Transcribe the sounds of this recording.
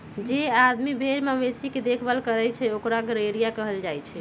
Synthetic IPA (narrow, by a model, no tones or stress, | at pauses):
d͡ʒead̪mibʱeɾmamesiked̪ekʰbalkəɾɛt͡ʃʰɛokɾaɡəɾeɾijakəɦəld͡ʒajt͡ʃʰɛ